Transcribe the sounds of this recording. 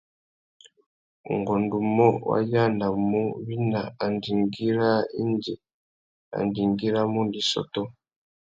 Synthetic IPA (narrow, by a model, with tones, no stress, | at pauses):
ṵ˨ŋɡɔ˨ndu˨mɔ˦wa̰˦ja˦˨na˨mu˦βi˦na˨a˨ndi˨ŋɡi˦ɾa˦i˦ndi˨ | a̰˨ndi˨ŋɡi˦ɾa˦mu˦ndi˨sɔ̰˨tɔ˦